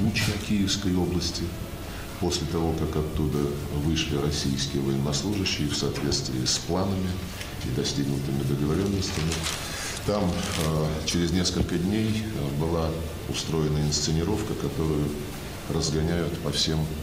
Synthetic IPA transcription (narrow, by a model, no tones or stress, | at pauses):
ut͡ɕɐkʲijɪfskəjo̞blˠəsʲtʲɪ | po̞sʲlʲɪt̪ɐvo̞kakɐt̪ːud̪ə | vɨʂlʲɪɾɐsʲijskʲɪjəvəjɪnːɐslˠuʐɨɕːɪjəfsɐːt̪vʲe̞t̪st̪vʲɪːsplˠanəmʲɪ | ɪ̰d̪ɐsʲtʲiɡnʊt̪ɨmʲɪd̪əɡəvɐɾʲo̞nːəsʲtʲɪmʲɪ | t̪am | t͡ɕɪɾʲɪzʲnʲe̞skəlʲkədʲnʲejbɨlˠa | ʊst̪ɾo̞jɪnəɪnst̪sɨnʲɪɾo̞fkəkɐt̪o̞ɾʊjʊ | rəzɡɐnʲæjʊt̪pɐfsʲe̞m